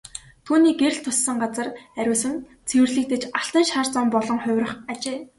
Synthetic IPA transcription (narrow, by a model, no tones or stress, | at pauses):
t̪ʰuːniːɡeɾ̆ʲɬt̪ʰʊsːə̆ŋɢat͡sə̆ræɾʲʊːsɘ̆n | t͡sʰew̆rɮɘ̆k̚t̪ĕt͡ɕaɬt̪ə̆nʃaːrt͡sɔmpɔɮɞ̆ŋχʊ̟wʲrə̆χat͡ɕeː